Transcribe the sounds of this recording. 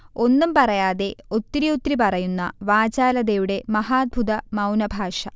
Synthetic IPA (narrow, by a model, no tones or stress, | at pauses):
o̞nːumpɐrɐjaːðe̞o̞t̪ːɾiot̪ːɾipɐrɐjunːɐ̰ʋaːd͡ʑaːlɐðejuɽe̞mɐɦaːd̪̚bʱud̪ɐmɐwnɐbʱaːʂɐ